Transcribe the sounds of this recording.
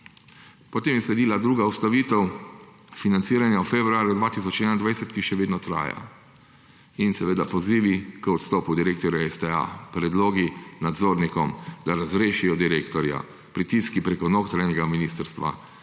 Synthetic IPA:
pɔt̪eːmjɛslɛd̪iːlad̪ɾuːɡaust̪aʋiːt̪ɛw | finantsiːɾanjawfebɾuaːɾjud̪ʋaːt̪isɔt͡ʃɛnajnd̪ʋajsɛt̪kiʃɛʋeːd̪nɔt̪ɾa̰ːja̰ | insɛʋeːd̪apɔziːʋikɔt̪st̪ɔːpud̪iɾeːk̚t̪ɔɾjaɛsd̪ɛa̰pɾɛd̪loːɡinad̪zoːɾnikɔmd̪aɾazɾeːʃijɔd̪iɾeːkt̪ɔɾja̰ | pɾit̪iːskipɾekɔnoːkt̪ɾanɛɡaminist̪əɾst̪ʋa̰

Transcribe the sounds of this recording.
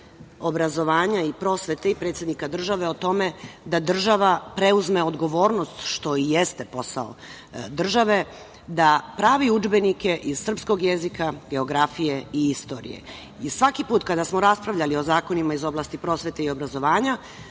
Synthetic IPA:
o̞bɾazo̞ʋaːɲaipɾo̞ːsʋe̞t̪eipɾet̪sʲjed̪nikad̪r̩ʒaʋe̞ot̪o̞med̪ad̪r̩ʒaʋapɾe̞uzme̞o̞d̪ɡo̞ʋo̞ːɾno̞st̪ʃt̪o̞ijest̪e̞po̞sa̰o̰ | d̪r̩ʒaʋe̞ | d̪apɾaːʋiud͡ʒbenike̞ʔiz̥sr̩psko̞ɡjezikaɡe̞o̞ɡɾafije̞iist̪o̞ːɾḭje̞̰ | isʋakipuːt̪kad̪asmo̞ɾaspɾaʋʎalio̞zaːko̞nimaizo̞blˠaːst̪ipɾo̞ːsʋet̪eio̞bɾazo̞ʋaːɲa

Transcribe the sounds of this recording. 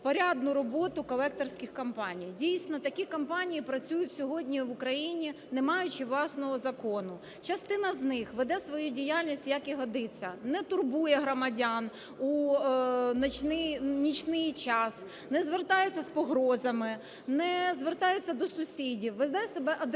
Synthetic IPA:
pɔɾʲad̪nʊɾɔbɔt̪ʊkɔlˠɛk̚t̪ɔrsʲkʲɪxkɐmpɑnʲijdʲijsʲnɔt̪ɐkʲikɔmpɑnʲijipɾɐt͡sʲujʊtʲsʲɔɦɔdʲnʲiʋʊkɾɐjinʲi | nemɑjʊt͡ʃɪʋlˠɑsnɔɦɔzɐkɔnʊ | t͡ʃɐst̪ɪnɐznɪxʋɛd̪ɛsʋɔjudʲijalʲnʲisʲtʲjɐkiɦɔd̪ɪt͡sʲːɐnɛt̪ʊrbujɛɦɾɔmɐdʲan | u | nt͡ʃnɪnʲit͡ʃnɪjt͡ʃɑs | nɛzʋert̪ɑjet͡sʲːɐspɔɦɾɔzɐmɪ | nɛzʋert̪ɑjet͡sʲːɐd̪ɔsʊsʲidʲiwʋed̪ɛsebɛʔɐd̪

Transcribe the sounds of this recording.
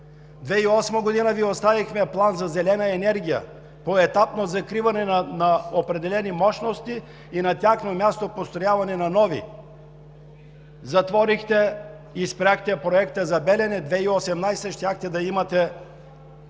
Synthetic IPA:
d̪vɛiɔsmɐɡod̪inəviost̪avixmɛplˠanzɐzɛlɛnɐɛnɛɾɡ̟ijə̰ | poɛt̪apnozɐkɾivɐnɛnɐnɐopɾɛd̪ɛlɛnimɔʃnost̪iː | nɐt̪ʲjaxnomʲjast̪opost̪ɾojavɐnɛnɐnɔvḭ | zɐt̪vɔɾixt̪ɛ | ispɾʲaxt̪ɛpɾoɛkt̪əzɐbɛlɛnɛd̪vɛiosɛmnajsəʃt̪ʲjaxt̪ɛd̪ɐimɐt̪ɛ

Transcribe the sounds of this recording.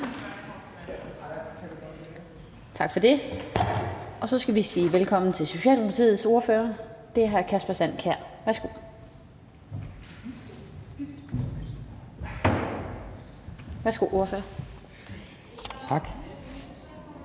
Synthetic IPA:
t͡sʰɑ̈ɡ̥fɒ̽d̥e̝ | ɒ̽sɒ̽sɡ̥æʋisiːʋelkʰɒ̽m̰n̩t͡sʰe̝lso̝ɕɛ̰ːldemʊpʰɑt͡sʰḭːð̩ˠso̝ɐføːɐd̥e̝æɦæɐkʰæsb̥æsæn̰kʰæɐ̰ʋæɐsɡ̥o̝ | ʋæɐsɡ̥o̝̰ʔo̝ɐfø̰ːɐ | t͡sʰɑɡ̥

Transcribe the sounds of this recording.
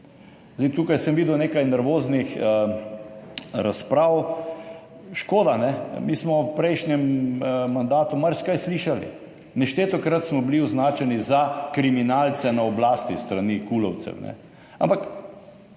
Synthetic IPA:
zd̪eit̪uːkajsəmʋiːd̪ɛwneːkajnɛɾʋoːznix | ɾaspɾaw | ʃkoːd̪anɛmiːsmɔwpɾɛjʃnjɛmmand̪aːt̪umaɾskajsliʃalḭ | nɛʃt̪et̪ɔkɾat̪smɔbliɔznaːt͡ʃɛnizakɾiminaːlt̪sɛnaɔblaːst̪ist̪ɾaniːkulɔwt̪sɛ̰wnɛ̰ | a̰mpak

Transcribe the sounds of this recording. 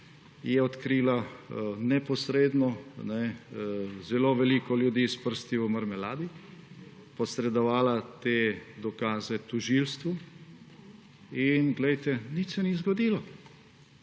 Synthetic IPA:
jɛɔt̪kɾiːlanɛpɔsɾeːd̪nɔnɛ | zɛloʋɛlikɔljud̪iːspəɾst̪iuməɾmɛlaːd̪i | pɔsɾɛd̪ɔʋaːlat̪ed̪ɔkaːzɛt̪uʒiːlst̪ʋu | inɡlɛjt̪ɛnit̪sɛnizɡɔd̪iːlɔ

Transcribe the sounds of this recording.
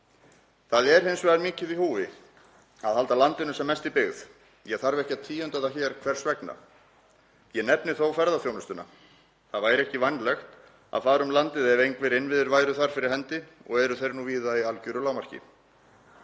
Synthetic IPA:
θaðɛɾ̥hejnsvɛðaɾmiːcɪðihuːvɪ | aðhalt̪alant̪ɪnʏsɛmːɛst̪ipɪɣð | jɛɣθaɾvɪɛhcaðt̪ʰiːʏnt̪aðaçɛːɾ̥kʰvɛɾ̥svɛkna̰ | jɛnɛpnɪθowfɛɾðaθjownʏst̪ʏnːa̰ | θaðvaːjɾɛhcɪvanlɛxt̪ | a̰ðfaːɾʏmlant̪ɪðɛvejŋkvɪɾɪnvɪðɪɾvaːjɾʏθaɾ̥fɪɾɪɾ̥ɦɛnt̪ɪɔ̰ɣɛɾʏθejɾnuviːðaialcʏɾʏlaːwmaɾ̥cɪ̰

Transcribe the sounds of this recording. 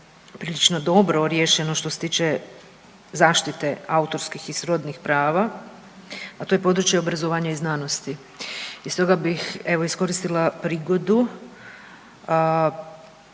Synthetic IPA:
pɾiːlit͡ʃno̞d̪o̞bɾo̞ɾje̞ːʃe̞noʃt̪o̞set̪iːt͡ʃe | zaːʃt̪it̪e̞aut̪o̞ɾskixisɾo̞d̪nixpɾaːʋa | at̪oje̞po̞d̪ɾut͡ʃjeo̞bɾazoʋaːɲaiznano̞st̪i | ist̪o̞ɡabixe̞ʋo̞isko̞ɾist̪ilˠapɾiːɡo̞d̪u

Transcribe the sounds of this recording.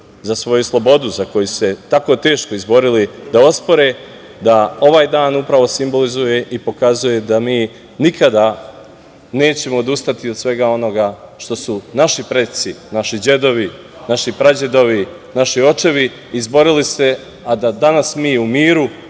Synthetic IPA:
zasʋo̞juslˠo̞bo̞d̪uzako̞jusu̥set̪ako̞t̪e̞ːʃko̞izbo̞ɾilid̪ao̞spo̞ɾe̞ | d̪ao̞ʋaːjd̪aːnupɾaʋo̞simbo̞lizuje̞ʔipo̞kazuje̞d̪amiː | nikad̪a | ne̞ːt͡ɕe̞mo̞ːd̪ust̪at̪iosʋe̞ɡao̞no̞ɡaʃt̪o̞sunaʃipɾet̪sinaʃid͡ʑe̞d̪o̞ʋi | naʃipɾad͡ʑe̞d̪o̞ʋi | naʃio̞t͡ʃe̞ʋiː | zbo̞ɾilise̞ | ad̪ad̪anasmiːumiːɾu

